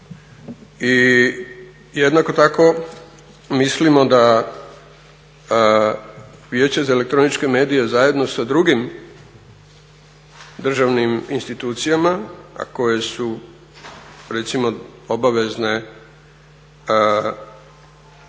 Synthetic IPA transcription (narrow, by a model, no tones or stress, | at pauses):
i | jed̪nako̞t̪ako̞ | mislimo̞d̪a | ʋje̞ːt͡ɕezaele̞k̚t̪ɾo̞nit͡ʃke̞me̞ːd̪ije̞zaje̞d̪no̞sad̪ɾuɡim | d̪r̩ʒaʋniminst̪it̪uːt̪sijamaa̰ko̞je̞su | ɾe̞t̪simo̞o̞baʋe̞zne̞